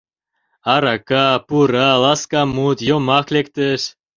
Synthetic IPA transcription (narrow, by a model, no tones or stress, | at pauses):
ɑɾɑkɑpuɾɑlɑskɑmut̪jomɑklekt̪əʃ